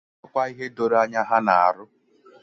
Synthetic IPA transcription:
ɔ˦kʷa˦i˦ɦe˦do˨ɾa˦ɲa˦ɦa˦na˨a̰˨ɾʊ˦

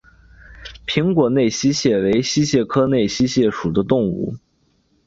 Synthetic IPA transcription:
pʰi˧˥ŋkwɔ˨˩ne˥˩ɪɕi˥ɕjɛ˥˩we˧˥ɪɕi˥ɕjɛ˥˩kʰɤ˥ne˥˩ɪɕi˥ɕjɛ˥˩ʂu˨˩d̪ə˦t̪ʊ˥˧ŋṵ˥˩

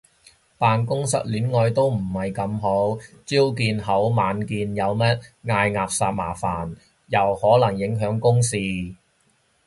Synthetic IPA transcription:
paː˨˧nkʊ˥ŋsɐ̰˨˥t̚lyː˨˥nŋɔː˧jt̪o˥wm̩˨˩hɐ˨jkɐ˧mɦo˨˥wt͡siː˥wkiː˧nɦɐ˨˥wmaː˨˧nkiː˧njɐ˨˧wmɐ˥t̚ŋaː˧jŋaː˨p̚saː˧t̚ma̰ː˨˩faː˨˩n | jɐ˨˩whɔː˨˥lɐ˨˩ŋjɪ˨˥ŋɦœː˨˥ŋkʊ˥ŋsiː˨˧

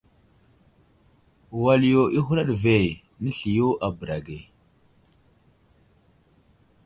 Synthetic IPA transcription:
wa˨li˨jo˨ʔi˦xu˦ɾa˦ɗve˨ | nə˦ɬi˨jo˦ʔa˨bɾa˨ɡe˨

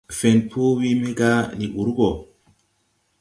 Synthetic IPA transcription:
fe˨npʰu˦wi˦me˦ɡa˦ni˨ɓu˨ɾu˦ɡo˨

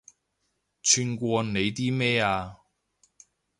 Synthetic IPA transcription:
t͡ʃʰyː˧nkʷɔː˧ne˨˧jt̪iː˥mɛː˥aː˧

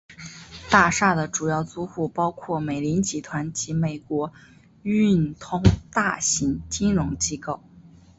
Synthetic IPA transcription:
t̪a˥˧ʂa˥˩d̪ə˩ʈ͡ʂu˨˩jɑ˥˩ʊt͡su˥xu˥˩pɑ˥ʊkʰwɔ˥˩me˨˩ɪli˧˥nt͡ɕi˧˥t̪ʰwa˧˥nt͡ɕi˧˥me˨˩ɪkwɔ˧˥ | y˥˩nt̪ʰʊ˥ŋt̪a˥˩ɕi˧˥ŋt͡ɕi˥nɻʊ˧˥ŋt͡ɕi˥ko˥˩ʊ

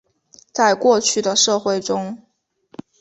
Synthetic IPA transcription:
t͡sa˥˧ɪkwɔ˥˧t͡ɕʰy˥˩d̪ə˩ʂɤ˥˧xwe˥˩ɪʈ͡ʂʊ˥ŋ

